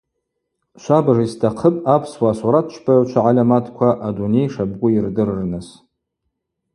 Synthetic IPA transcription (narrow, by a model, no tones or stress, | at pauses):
ʃʷabaʐaistʰaqʰəpʼapʰswaːsuɾat̚ʰt͡ʃʰbʰʼaʕt͡ʃʷʰaʕalʲamatʰkʷʰaʔadune̞jʂab̚ɡʷʼʊirdɨrrnɨs